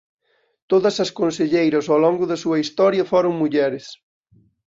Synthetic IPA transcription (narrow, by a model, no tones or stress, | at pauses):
t̪oðɐsɐskonseʎejɾɐsowlɔŋɡʊðɐsuɐist̪ɔɾjɐfɔɾʊŋmuʎɛɾɪs